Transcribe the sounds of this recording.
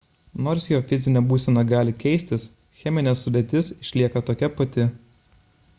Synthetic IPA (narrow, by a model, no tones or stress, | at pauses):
noːɾsjoːfʲɪzʲɪnʲɛbuːsʲɛnɐɡɑːlʲɪkʲɛɪsʲt̪ʲɪs | xʲɛmʲɪnʲeːsːʊd̪ʲet̪ʲɪsɪʃʲlʲiɛkɐt̪oːkʲɛpɐt̪ʲɪ